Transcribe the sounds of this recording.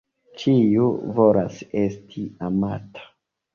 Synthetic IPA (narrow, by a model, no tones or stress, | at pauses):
t͡ʃijuvo̞lase̞stʰiamatʰḁ